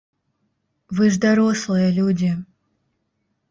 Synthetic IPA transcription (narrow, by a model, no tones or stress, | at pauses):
vɨʐd̪ɐɾoslˠɨjəlʲudʲɪ